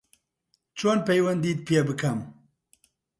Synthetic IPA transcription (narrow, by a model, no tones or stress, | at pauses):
t͡ʃʰoːnpɛjwɐnd̪iːt̪̚piebɨkʰɐm